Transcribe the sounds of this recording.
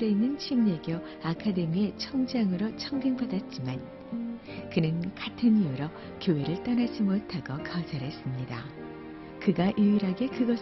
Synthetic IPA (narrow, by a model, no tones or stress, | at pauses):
ɾe̞inːɯnt͡ɕʰimɲeɡjʌ | akʰade̞mie̞t͡ɕʰʌŋd͡ʑaŋɯɾot͡ɕʰʌŋɡɯŋpadat̚t͡ɕ͈iman | kɯnɯnkʰatʰɯɲɯɾʌ | kjoɦe̞ɾɯɭt͈ʌnad͡ʑimotʰaɡokasʰaɾɦe̞s͈ɯmɲida̰ | kɯɡaʔiiɾɦaɡe̞kɯɡʌs